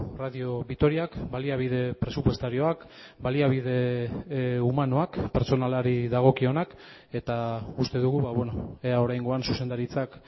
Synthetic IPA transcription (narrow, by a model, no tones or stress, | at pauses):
raðio̞βit̪o̞ɾiakbaliaβ̞ið̞e̞pɾe̞supwe̞st̪aɾio̞ak | baliaβ̞ið̞e̞ | umano̞akpe̞ɾt͡so̞nalaɾiðaɣ̞o̞kio̞nak | e̞t̪aust̪e̞ðuɣuβaβe̞no̞eao̞ɾajŋɡo̞ansuse̞nd̪aɾit͡sak